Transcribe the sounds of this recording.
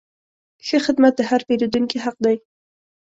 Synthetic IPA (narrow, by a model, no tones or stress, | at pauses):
xəxɪd̪mat̪̚d̪əhaɾpeɾud̪uŋkeɦaq̚d̪ɑj